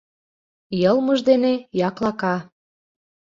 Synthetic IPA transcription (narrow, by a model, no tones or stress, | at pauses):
jɤlˠməʒd̪enejɑklɑkɑ